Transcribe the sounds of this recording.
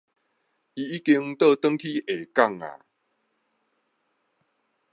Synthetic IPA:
i˧i˦˥ki˧ŋt̪ə˥˧˨t̪ə˦ŋkʰi˦ʔe˨˩ka˥˧˨ŋa̰˨

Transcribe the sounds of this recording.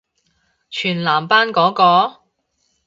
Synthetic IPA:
t͡ʃʰyː˨˩nlaː˨˩mpaː˥nkɔː˨˥kɔː˧

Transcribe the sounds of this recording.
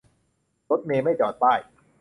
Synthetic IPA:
lo˦˥t̪̚meː˧ma˥˩jt͡ɕɔː˨˩t̪̚paː˥˩j

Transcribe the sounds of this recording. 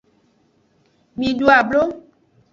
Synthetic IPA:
mĩ˨ɖu˦a˨blo˦

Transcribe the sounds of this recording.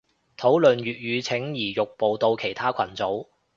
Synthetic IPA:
t̪ʰo˨˥wlɵ˨nɥyː˨t̚ɥyː˨˧t͡sʰɪ˨˥ŋjiː˨˩jʊ˨k̚po˨wt̪o˧wkʰe˨˩jt̪ʰaː˥kʷʰɐ˨˩nt͡so˨˥w

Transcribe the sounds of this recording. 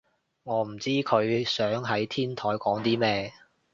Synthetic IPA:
ŋɔː˨˧m̩˨˩t͡siː˥kʰɵ˨˧ɥsœː˨˥ŋɦɐ˨˥jt̪ʰiː˥nt̪ʰɔː˨˥jkɔː˨˥ŋt̪iː˥mɛː˥

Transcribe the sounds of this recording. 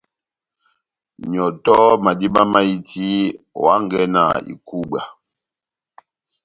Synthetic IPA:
ɲ˨ɔ˨tɔ˦ma˨di˦ma˦ma˦i˦ti˦wa˦ŋ˦ɡɛ˦na̰˨ḭ˨ku˦ɓa˨

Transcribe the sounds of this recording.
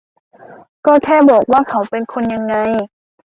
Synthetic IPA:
kɔː˧˥˩kʰɛː˥˩˨bɔː˨˩k̚waː˥˨kʰa˨˦wpe˧nkʰo˧nja˧ŋːa˧j

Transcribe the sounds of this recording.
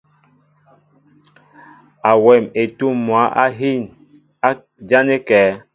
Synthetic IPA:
a˨wɛ˨me˨tu˦mːwa˨˦ʔa̰˦ɦi˦˨n | a˦ | d͡ʒa˦ne˦kɛː˨˦

